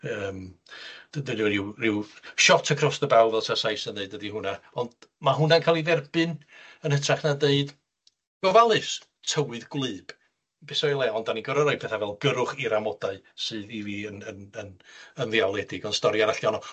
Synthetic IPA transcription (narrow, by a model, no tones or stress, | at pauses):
əːmd̥dənirɪwrɪwʃɔtʰakʰrɔsðəbawˠvɛlˠsʰasajsəndeɨdədiɦʊnaɔndmaɦʊnankʰaːlˠivɛrbɨnənətʰraχnadeɨd | ɡ̥ɔvalˠɨs | tʰəwɨðɡlˠɨːb̥ | besɔjlˠɛɔndaniɡɔɾɔɾɔj̚pʰɛθavɛlˠɡəɾʊχiɾamɔdaɨ | sɨːðiviənənənənðialˠɛdɪɡɔnstɔɾjaɾaɬiɔnɔ